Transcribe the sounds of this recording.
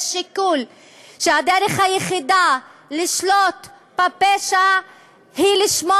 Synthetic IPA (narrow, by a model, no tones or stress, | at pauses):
ʃikul | ʃead̪eɾeχhajeχid̪aliʃlot̪ | bapeʃa | hiliʃmo